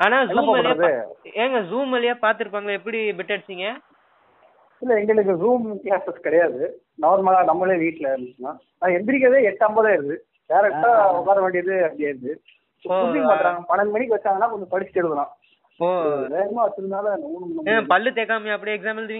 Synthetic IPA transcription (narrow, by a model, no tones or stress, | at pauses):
aːnaːɛnuːɐmpaːkːlɾɐðɯeːŋɡɐsuːmɐlːɪjaːpaːɾt̪ɯɾɯp̬ːaːŋɡɐɐɛpːɐɽibɪʈːɐɽsiŋɡɐ | ɪlːɐɛŋɡɐɭɯk̬ːɯzuːmkaːspɐskɪɽɐjaːðɯ | nɐʋɾmaːlaːnɐmːɐleːʋiːʈːlɐɾnsɐnːãː | naːɛmbɪɾɪk̬ːaːʋeːɛʈːɐmbɐðãːɪɾɯd̪ɯ | ɖaːɪɾɛkʈːaːɔkːaːɾɐʋeːɳɖɪɾɐðɯɐpɐɽɪjaːɪɾɯðɯ | ooːubɪ̃ŋɡɐpaːɪɾaːŋɡɐpɐnɐnɯmɐɳɪkːɯʋɐt͡ʃːaːŋɡɐnːaːkɔnd̪ɯpɐɽɪt͡ʃːɪ̥ʈːɛɽɯðɯlãː | oːʋeːmaʋɐt̪ːɯɾɯaːlɐnuːnɯnɐpɐɭːɯt̪eːkːaːmɐpːɐɽɪjɛksaːmɐlt̪ʋiːŋ